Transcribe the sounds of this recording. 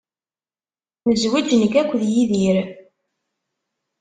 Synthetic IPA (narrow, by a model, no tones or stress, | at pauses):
məzwid͡ʒnəɡækʷːðjiðiɾ